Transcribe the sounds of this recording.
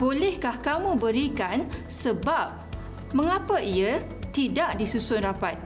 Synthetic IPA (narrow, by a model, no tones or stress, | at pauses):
bolɛhkahkamũbəɾikan | səbap̚ | mə̃ŋapaiə | t̪idaʔdisusʊnrapat̪̚